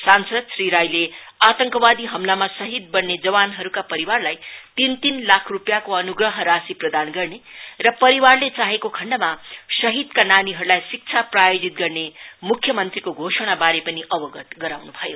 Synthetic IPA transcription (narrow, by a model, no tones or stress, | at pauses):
sansʌd̪sriɾajleat̪ʌŋkʌbad̪iɦʌmlamasʌɦid̪̚bʌnːed͡zʌwanɦʌɾukapʌɾiwarlajt̪int̪inlakʰrupjakoʌnuɡrʌɦʌɾasiprʌd̪anɡʌrnerʌpʌɾiwarlet͡saɦekokʰʌɳɖʌmasʌɦid̪kananiɦʌɾulajsik̚t͡sʰaprajod͡zit̪̚ɡʌrnemukʰjʌmʌnt̪rikoɡʱosʌɽ̃abaɾepʌniʔʌbʌɡʌt̪ɡʌɾawnubʱʌjo